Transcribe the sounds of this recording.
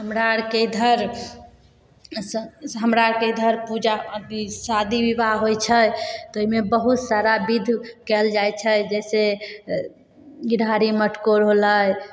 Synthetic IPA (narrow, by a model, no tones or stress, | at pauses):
ɦəmɾaɾked̪ʱəɾ | səɦəmɾaɾked̪ʱəɾpud͡ʒaəd̪isad̪ʱiʋibaɦɦojt͡ʃʰət̪ɔimebəɦut̪saɾabid̪ʱkɛld͡ʒajt͡ʃʰəd͡ʒɛse | ɡiɽ̤ʱaɾiməʈkoɾɦoləj